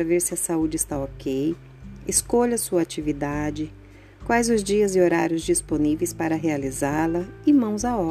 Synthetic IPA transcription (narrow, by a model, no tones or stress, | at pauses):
ɾɐveɾsɪɐsaud͡ʒɪːst̪aokej | ɪskoʎɐsuɐat͡ʃivid̪ad͡ʒɪ | kwajzʊzd͡ʒiɐzɪoɾaɾjʊzd͡ʒisponivejspaɾɐɦealizaɾlɐɪmɐ̃w̃zaɔ